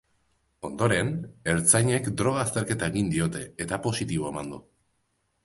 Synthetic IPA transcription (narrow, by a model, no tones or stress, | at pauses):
o̞nd̪o̞ɾe̞ne̞ɾt͡sajɲe̞kd̪ɾo̞ɣ̞aːst̪e̞ɾke̞t̪aeɣind̪io̞t̪e̞et̪apo̞sit̪iβ̞o̞e̞mand̪u